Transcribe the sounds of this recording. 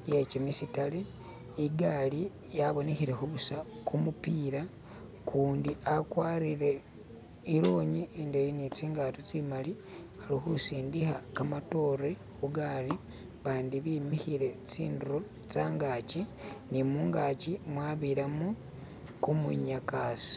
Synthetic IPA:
jecimisitale | iɡaːli | jaβo̞nexiɾe̞xuβusakumupiːɾa | kʰuːndiʔakwaːɾiɾe̞ | iɾoːɲiindojinit͡siːŋɡaːtot͡simali | alixusiːndixakamato̞re | kuɡaːli | βaːndiβimixiɾe̞t͡sḭːnduɾo | t͡saːŋɡaːcinimuːŋɡacimwaːβiɾamu | kumṵɲakaːsi̥

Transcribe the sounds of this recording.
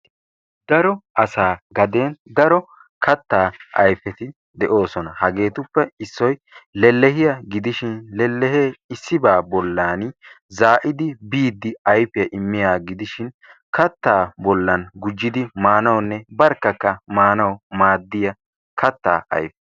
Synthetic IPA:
d̪̥ɐɾɔʔɐsaːɡɐd̪e̞ːnd̪ɐɾɔ | kʰɐt̪ːaːʔɐ̰jfɛt̪ɪ | d̪ɛʔo̞ːsɔnɐhɐɡe̞ːt̪ʊpːɛɪsːɔjlɛlːɛhɪjɐɡɪd̪ɪʃɪnlɛlːɛheːɪsːɪbaːbɔlːaːn | zaːʔɪd̪ɪbiːd̪ːɪɐjfɪjɐʔɪmːɪjaːɡɪd̪ɪʃɪn | kɐt̪ːaːbɔlːɐnɡʊd͡ʒːɪd̪ɪmaːnɐwnːɛbɐɾkːɐkːɐmaːnɐwmaːd̪ːɪjɐ | kʰɐt̪ːa̰ːʔɐ̰jfɛ

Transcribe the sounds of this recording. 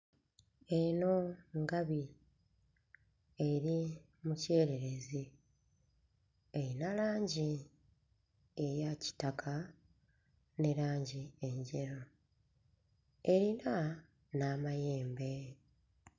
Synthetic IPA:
e̞no̞ŋɡaβi | e̞ɾi | muceːɾe̞ɾe̞zi | eɾinalaːɲɟi | ejaci̥takʰa | ne̞ɾaːɲɟieɲɟeɾo̞ | eɾina | naːmaje̞ːmbe̞

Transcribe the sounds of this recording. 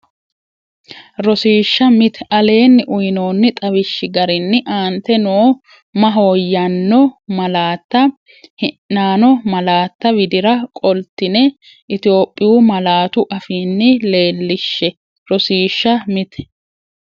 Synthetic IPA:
ɾɔsiːʃːɐmɪt̪ɛʔɐle̞ːnːɪʔʊjno̞ːnːɪt̪ʼɐβɪʃːɪɡɐɾɪnːɪʔaːnt̪ɛnoː | mɐɦo̞ːjːɐnːɔmɐlaːt̪ːɐ | hɪʔːaːnɔmɐlaːt̪ːɐbɪd̪ɪɾɐkʼɔlt̪ːɪnɛ | ʔɪt̪ɪjo̞ːpʼːɪjuːmɐlaːt̪ʊʔɐfiːnːɪle̞ːlːɪʃːɛ | ɾɔsiːʃːɐmɪt̪ɛ̥

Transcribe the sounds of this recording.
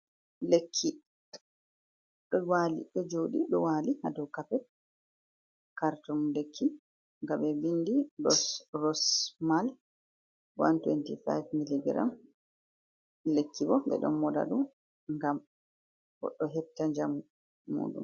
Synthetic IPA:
lekʰːi | ɗɔwalḭɗɔd͡ʒoɗiɗɔwalihadɔwkapɛ | kaɾtɔnlekʰːi | ŋɡamɛvinːdiɗɔsrɔsmal | wa̰ntwentifa̰jvmilidɛɾa̰m | lekʰːibɔɓɛ̰ɗɔ̰nmɔda̰ɗum | ŋɡam | bɔ̰ɗɔɦɛb̚taɲd͡ʒamu | mːṵːɗṵm

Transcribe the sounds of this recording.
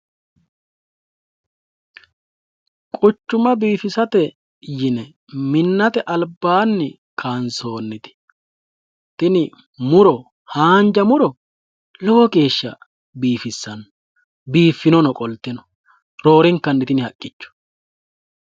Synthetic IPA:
kʼʊt͡ʃːʊmɐbiːfɪsɐt̪ɛ | jɪnɛ | mɪnːɐt̪ɛʔɐlbːaːnːɪ | kʰaːnso̞ːnːɪt̪ɪ̥ | t̪ɪnɪ | mʊɾɔ | haːnd͡ʒɐmʊɾɔ | lɔwɔke̞ːʃːɐ | biːfɪsːɐnɔ | biːfːɪnɔnɔkʼɔlt̪ːɛnɔ̥ | ɾo̞ːɾɪŋkːɐnːɪt̪ɪnɪhɐkʼːɪt͡ʃːʊ̥

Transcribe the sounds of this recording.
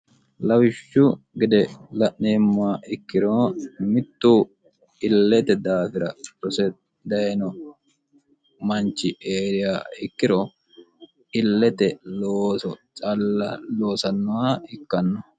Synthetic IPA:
lɐwɪʃːʊɡɪd̪ɛlɐʔneːmːaɪkːɪɾɔmɪt̪ːuː | ɪlːɛt̪ɛd̪aːfɪɾɐɾɔsɛ | d̪ɐjɛnɔ | mɐnt͡ʃːɪʔeːɾɪjaːɪkːɪɾɔ | ʔɪlːɛt̪ɛloːsɔt͡ʃʼɐlːɐloːsɐnːʊwaːɪkːɐnːɔ

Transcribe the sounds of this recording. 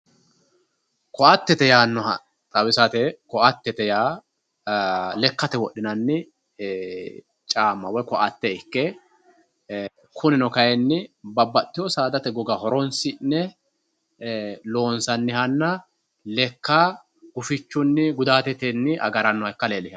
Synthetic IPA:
kɔʔɐt̪ːɛt̪ɛjaːnːɔɦɐ̰ | t̪ʼɐwɪsɐt̪ɛkɔʔɐt̪ːɛt̪ɛjaː | lɛkːɐt̪ɛwɔɗɪnɐnːɪ | t͡ʃʼaːmːɐwɔjkɔʔɐt̪ːɛɪkːɛ | kʰʊnɪnɔkɐjɛnːɪbɐbːɐt̪ːɪjɔsaːd̪ɐt̪ɛɡɔɡɐhɔɾɔnsɪnːɛ | lo̞ːnsɐnːɪhɐnːɐ | lɛkːa | ɡ̥ʊfɪt͡ʃːʊnːɪɡʊd̪aːt̪ɛt̪ɛnːɪʔɐ̰ɡɐɾɐnːɔɛkːɐleːlɪhɐ

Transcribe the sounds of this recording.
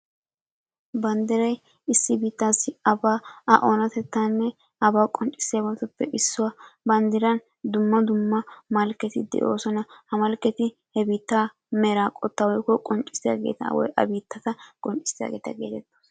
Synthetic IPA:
bɐnd̪ɪɾɐj | ɪsːɪbiːt̪ːaːsɪɐbaːɐʔoːnɐt̪ɛt̪ːaːnːɛ | ɐbaːkʼɔnt͡ʃʼːɪ̥sːeːbɐt̪ʊpːɛʔɪsːʊwɐbɐnd̪ɪɾɐn | d̪ʊmːɐd̪ʊmːɐmɐlkːɛt̪ɪd̪ɛ̰ʔo̞ːsɔnɐhɐmɐlkːɛt̪ɪ | hɛbiːt̪ːaː | mɛɾaːkʼɔt̪ːɐːwɔjkːɔkʼɔnt͡ʃʼːɪ̥sɪja̰ːɡe̞̰ːt̪ɐ̰wɔ̰jʔɐ̰biːt̪ːɐt̪ɐkʼɔnt͡ʃʼːɪ̥sɪja̰ɡeːt̪ɐ̰ɡe̞ːt̪ɛt̪ːoːs

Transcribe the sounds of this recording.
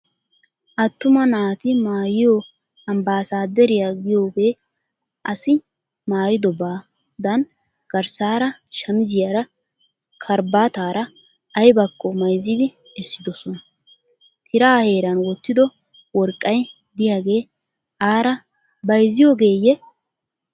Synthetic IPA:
ʔɐt̪ːʊmɐnaːt̪ɪmaːjɪjo | ɐmbaːsaːd̪ɛɾɪjaɡɪjo̞ːɡe̞ː | ʔɐsɪ | maːjɪd̪ɔbaː | d̪ɐn | ɡ̥ɐɾsaːɾɐʃɐmɪzɪjaɾɐ | kʰɐɾbaːt̪aːɾɐː | jbɐkʼːɔmɐjzɪd̪ɪ | ɛsːɪd̪ɔsɔnɐ | t̪ʰɪɾaːhe̞ːɾɐnwɔt̪ːɪd̪ɔ | wɔɾkʼːɐj | d̪ɪjaːɡe̞ː | aːɾɐ | bɐjzɪjoːɡe̞ːjːɛ

